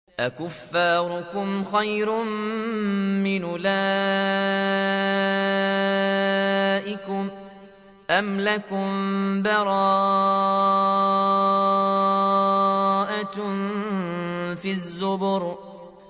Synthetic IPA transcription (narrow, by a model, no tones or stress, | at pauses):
ʔakʊfːaːɾʊkʊmxajɾʊm | mɪnʊlaː | ʔɪkʊm | ʔamlakʊmbɑɾˤɑː | ʔan | fizːʊbʊɾ